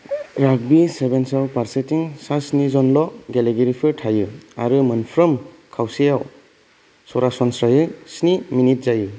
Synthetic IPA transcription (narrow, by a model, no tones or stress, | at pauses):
ɾak̚bisebensawpaɾsetiŋsasnizɔnlɔɡeleɡeɾipʰɯɾtʰajɯa̰ɾɯmɐnpʰɾɔm | kʰawsijaw | sɔɾasɔnsɾajɯsniminit̚zajɯ